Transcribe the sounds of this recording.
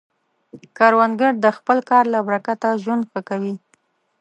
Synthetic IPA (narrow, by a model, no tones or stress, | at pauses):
kɑɾwanɡaɽd̪əxpəlkɑɾlabɾakat̪aʒwand̪xəkawi